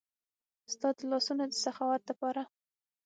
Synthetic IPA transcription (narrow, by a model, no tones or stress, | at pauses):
st̪ɑd̪lɑsunad̪əsaxɑwat̪̚ləpɑɾa